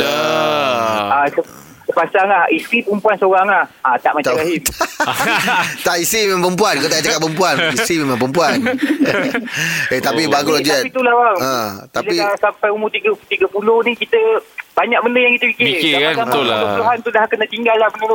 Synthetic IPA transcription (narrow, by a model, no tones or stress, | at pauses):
asə | səpasaŋlahist̪ɾipəəmpuansəoɾaŋahat̪aʔmat͡ʃt̪aaɦim | t̪aʔisimemãmpəmpuankot̪aat͡ʃakat̪̚pəmpuanisɾimemãmpəmpuan | et̪apibaɡulod͡ʒuɛtpit̪ulawaə̃t̪aliasampajumut̪iɡət̪iɡəpulohnikit̪əbaɲak̚bəndəjaŋkit̪əpikɪsaasaŋuluɦant̪udahkənə̃t̪iŋɡalːahbəndə